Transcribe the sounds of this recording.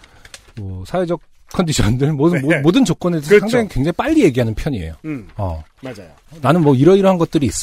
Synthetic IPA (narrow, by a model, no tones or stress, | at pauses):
mʌsʰawed͡ʑʌk̚ | kʰːʌndiɕʰʌndɯɭmoomodɯnt͡ɕok͈̚ʌneessʰaŋdaŋikweŋd͡ʑaŋip͈aʎːije̞ɡiɦanɯnpʰjʌɲiḛjoʌ̰a | nanɯnmwʌiɾʌiɾʌɦanɡʌt̚t͈ɯɾiːs͈ʌ